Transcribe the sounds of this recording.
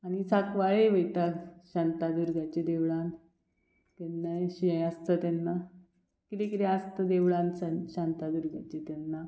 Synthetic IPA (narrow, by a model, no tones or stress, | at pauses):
añit͡sakʋaɭeʋəjt̪aɕant̪ad̪uɾɡʱat͡ɕed̪eʋɭãn | t̪enːaɕiə̃jast̪ət̪anːa | kit̪ekit̪east̪əd̪eʋɭansanɕant̪ad̪uɾɡʱat͡ɕet̪anːa